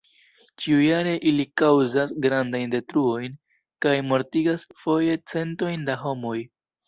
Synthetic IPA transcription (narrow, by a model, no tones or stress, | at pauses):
t͡ʃiujaɾe̞ʔilikawzasɡɾandajnde̞tɾuo̞jn | kajmo̞ɾtiɡasfo̞je̞t͡se̞nto̞jndaɦo̞mo̞j